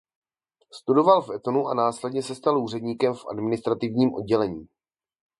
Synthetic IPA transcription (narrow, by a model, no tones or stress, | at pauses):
st̪udo̞valfɛt̪o̞nuʔanaːslɛdɲɛsɛst̪aluːrɛdɲiːkɛmfʔa̰dmɪnɪst̪ɾat̪ɪvɲiːmʔo̞̰d̚ɟɛlɛɲiː